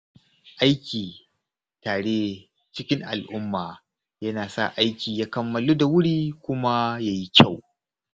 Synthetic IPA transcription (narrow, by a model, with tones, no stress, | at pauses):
ʔa˦jkʲiː˨ | taː˨ɽeː˦ | t͡ʃɪ˦kʲɪ˦ŋʔa̰˨lʔʊ˦mːaː˨ | jɐ˦naː˨sa̰˦˨ʔa˦jkʲiː˨jaː˦kɐ˨mːɐ˨luː˦da˨wʊ˦ɽiː˦kʷʊ˦ma˦jaː˦ji˦kʲʰa˦˨w